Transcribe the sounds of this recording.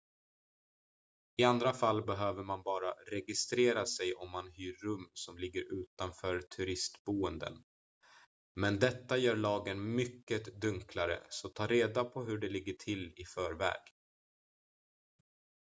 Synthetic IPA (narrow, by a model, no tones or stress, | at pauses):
ɪand̪ɾafalːbɛɦøːvəɾmanbɑːɾaɾɛɡɪst̪ɾeːɾasɛjʔɔmːanɦyːɾːɵmːsɔmlɪɡːəɾʉ̟ːt̪anfœːɾt̪ʰɵɾɪst̪buːənd̪ə̰n | mɛnd̪ɛt̪ːajœːɾɭɑːɡənmʏkːət̪d̪ɵŋklaɾə̰sɔt̪ʰɑːɾeːd̪apʰɔɦɵɖɛlɪɡːəʈʰɪlɪfœːɾvɛ̰ːɡ̥